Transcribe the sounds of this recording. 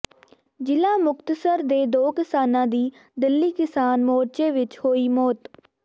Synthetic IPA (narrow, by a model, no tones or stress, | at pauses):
d͡ʒɪlãːmʊkt̪səɾd̪eːd̪oːkɪsaːnãːd̪iː | d̪ɪlːiːkɪsaːnmoːɾt͡ʃeːʋɪt͡ʃhoːiːmɔːt̪